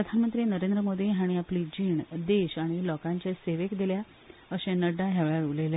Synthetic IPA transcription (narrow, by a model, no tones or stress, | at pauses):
pɾəd̪ʱanmənt̪ɾinəɾẽnd̪ɾəmod̪iɦaɽ̃iapliːd͡ʑiːɳd̪eɕaɽ̃ilɔkãɲt͡ɕaseʋekd̪elja | əɕẽnəɖaɦɛʋɭjaɾulele